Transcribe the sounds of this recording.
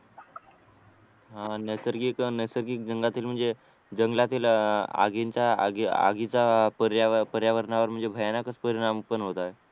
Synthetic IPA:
ɦãnəsəɾɡiknəjsəɾɡiːk̚d͡zəŋɡat̪iːlm̤əɳd͡ze | d͡ʑəŋɡlat̪iːla̰ɡiɲt͡ɕjaa̰ɡa̰ɡit͡ɕapəɾjaəpəɾjaʋəɾnaʋəɾm̤əɳd͡zebʱəjanakət͡spəɾiɽampənɦot̪ae

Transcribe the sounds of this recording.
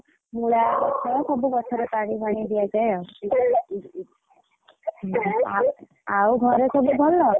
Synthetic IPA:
muɭabɔt͡ʃʰɔkʰububɔt͡ʃʰɔɾep̪aɽ̃ibaɽ̃id̪ijad͡ʒajɔ | a | awɡʱɔɾekʰububʱɔlːɔ

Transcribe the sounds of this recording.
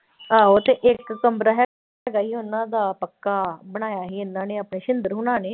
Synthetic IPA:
aːɦot̪eːʔɪkːəmbɾaɦɛː | əɡaːɦiːʊnãːd̪aːpəkːaːbəɽ̃aːjaːɦiːɪnːãːneːaːpneːʃɪnd̪əɾɦʊnaːneː

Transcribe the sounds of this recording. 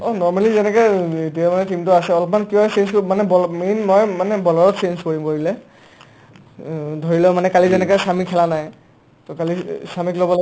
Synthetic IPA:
ɔnɔɹmalizɛnɛkɔet̬iamanɛtimtʊasɛɔlɔp̬ɔmankiɔsenskmanɛbɔminmɔjmanɛbɔlɔɹɔtsenskoɹimkoɹilɛ | dʱoɹilɛmanɛkalizɛnɛkɔsamikʰːɛlanaj | tɔkalisamiklobɔl

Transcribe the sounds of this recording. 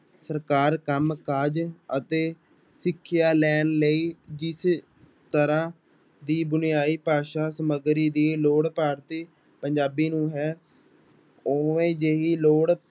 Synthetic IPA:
səɾkaːɾkəmkaːd͡ʒət̪eː | sɪkʰːɪjaːlɛːnləiːd͡ʒɪs | t̪əɾãː | d̪iːbʊnɪjaːiːpaːʃaːsəməɡɾiːd̪iːloːɽpaːɾt̪iː | pəɲd͡ʒaːbiːnũːɦɛː | oːʋẽːd͡ʒeːɦiːloːɽ

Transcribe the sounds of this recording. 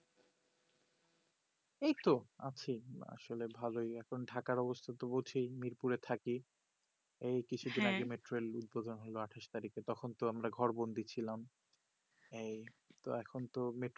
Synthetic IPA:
ejt̪oat͡ɕʰia̰ʃolebʱalojɛkʰonɖʱakaɾɔbost̪ʰat̪obot͡ɕʰijmiɾpuɾet̪ʰaki | ejkit͡ɕʰud̪inaɡemeʈɾolud̪̚bod̪ʱonɦoloaʈʰaʃt̪aɾiket̪ɔkʰont̪oamɾaɡʱɔɾbond̪ʱit͡ɕʰilam | ej | t̪oɛkʰont̪omeʈ

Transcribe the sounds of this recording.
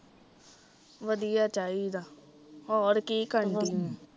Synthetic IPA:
ʋəd̪ijaːt͡ʃaːiːd̪aː | ɔːɾkiːkəɳd̪iːẽ

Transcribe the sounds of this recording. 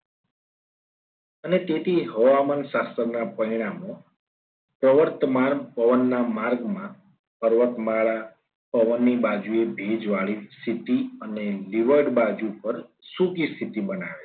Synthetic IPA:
ənet̪et̪ʰiɦəʋamənsasəɾnapəiɽ̃amõ | pɾəʋəɾt̪əmaɾpəʋənːamaɾɡmã | pəɾʋət̪maɭa | pəʋənːibad͡ʒuebʱed͡ʒʋaɭist̪ʰit̪iəneliʋəɾɖbad͡ʒupəɾsuɡist̪ʰit̪ibənaʋe

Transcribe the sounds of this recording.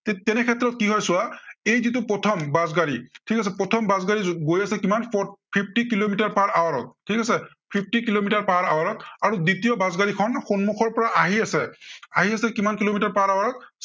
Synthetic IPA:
tɛtɛnɛkʰɛtːɹɔt̚kiɦɔjsʊwaejzitʊpɹɔtʰɔmbazɡaɹitʰikas̬ɛpɹɔtʰɔmbazɡaɹiɡojasɛkimanppʰip̚ʰtikilomitaɹpaɹawaɹɔt̚tʰːikasɛ | pʰip̚ʰtikilomitaɹpaɹawaɹɔtaɹuditijɔbazɡaɹikʰɔnxonmuxɔɹpɔɹaʔaɦiasɛaɦiasɛkimankilomitaɹpaɹawaɹɔt̚

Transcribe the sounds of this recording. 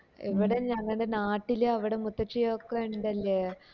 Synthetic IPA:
ɛʋiɽɐɲãːŋɡɐɐnd̪ɐnaːʈːɪljɐʋiɽɐmʊt̪ːɐt͡ʃːijoːkːɐɳɖɐlːɐ

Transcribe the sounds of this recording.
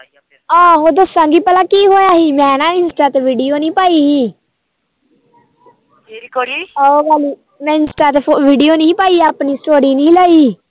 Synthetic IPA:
ãːɦoːd̪əsːãːŋɡiːpəlaːkiːɦoːjaːɦiːmɛ̃ːnãːɪnsʈaːt̪eːʋiːɖijoːnĩːpaːiːɦiː | ɾkoɾiːooɡaːliː | mɛ̃ːɪnsʈaːt̪eoʋiːɖijoːnĩːpaːiːaːpniːsʈoːɾiːnĩːləːiː

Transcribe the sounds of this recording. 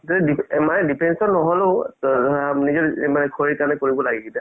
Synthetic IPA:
tɔdidiɛmanɛdipʰɛnsɔnːɔɦɔleʊ | nizɔɛmanɛkʰoɹikaɹnɛkoɹibɔlaɡiɡita

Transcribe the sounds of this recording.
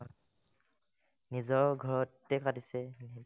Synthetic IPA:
nizɔɹɡʱɔɹɔtːɛkatisɛn

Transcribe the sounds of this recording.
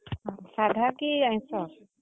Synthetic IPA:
sad̪ʱakiaj̃sɔ

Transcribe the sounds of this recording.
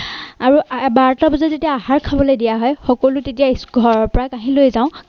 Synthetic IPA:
aɹubaɹtɔbɔzazetijaːɦaɹkʰabɔlojdijaɦɔjxɔkɔlʊtetijasɡʱɔɹɔɹpɔɹakaɦĩlojzãʊ̃

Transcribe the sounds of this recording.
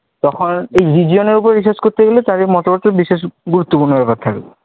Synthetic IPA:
t̪ɔxʰɔnejɹiziɔnɔɹup̬ɔɹebisaskot̪ʰeɡelet̪aɹemɔtɔbɔt̪ːɔbises̬ɡuɹut̪ːopuɹnɔpatt̪ʰak

